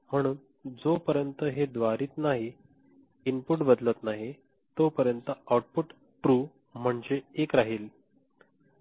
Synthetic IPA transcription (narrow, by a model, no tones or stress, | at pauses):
m̤əɽ̃uːn | d͡zopəɾjənt̪əɦed̪ʋaɾiːt̪naɦi | inpuʈbəd̪lət̪naɦi | t̪opəɾjənt̪əawʈ̚puʈ | ʈɾuː | m̤əɳd͡zeekɾaɦiːl